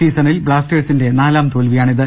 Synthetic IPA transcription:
iːsɐnilbɭaːsʈeːɖsinde̞naːlaːmt̪oːlʋijaːɳiðɨ

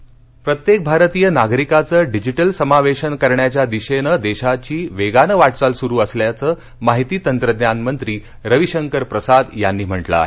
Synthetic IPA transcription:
pɾət̪jek̚bʱaɾət̪ijənaɡɾikat͡səːɖid͡ʑiʈəlsəmaʋeɕənkəɾɳjat͡ɕjad̪iɕenəd̪eɕat͡ɕiːʋeɡanəʋaʈt͡salsuɾuːəsljat͡səː | maɦit̪iːt̪ənt̪ɾəd̪janmənt̪ɾiː | ɾəʋiɕəŋkəɾpɾəsad̪janːiːm̤əʈla̰

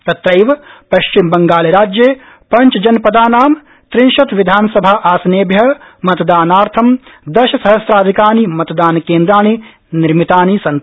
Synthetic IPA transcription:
t̪ɐt̪ɾɐjʋɐpɐʃt͡ʃimbɐŋɡaːleɾaːd͡ʒjeː | pɐɲt͡ʃɐd͡ʒɐnpɐd̪aːnaːm | t̪ɾinʃɐt̪ʋid̪ʱaːnsɐbʱaːʔaːsɐneːbʱjɐmɐt̪d̪aːnaːɾt̪ʰɐmd̪ɐʃɐsɐɦɐsɾaːd̪ʱikaːnimɐt̪d̪aːnkeːnd̪ɾaːni | niɾmit̪aːnisɐn

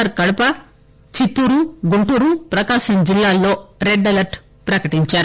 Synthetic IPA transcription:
ɐɾkɐɽɐpɐ | t͡ʃit̪ːuɾuɡuɳʈuːɾupɾɐkaːʃɐmd͡ʒilːaːlːo̞ːɾeɖːɐlɐɾʈ | pɾɐkɐʈiɲt͡ʃaːɾu

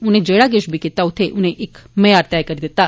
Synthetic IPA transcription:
ʊnẽd͡ʒeːɽaɡeʃbʱikɪt̪aʊt̪ʰeʔʊnẽʔɪkmɛjaːɾt̪jaːjkəɾid̪ɪt̪a

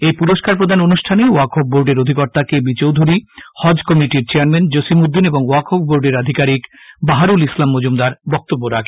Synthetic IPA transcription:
ejpuɾoʃkaɾpɾod̪ʱanonuʃʈʰaneuakʰop̚boɾɖeɾod̪ʱikɔɾt̪akebit͡ɕowd̪ʱuɾihɔd͡ʑkɔmiʈiɾt͡ɕeaɾmend͡ʑoʃimud̪ːineboŋoakʰop̚boɾɖeɾad̪ʱikaɾik | baɦaɾulislamːod͡ʑumd̪aɾbɔk̚t̪obːoɾakʰe̥

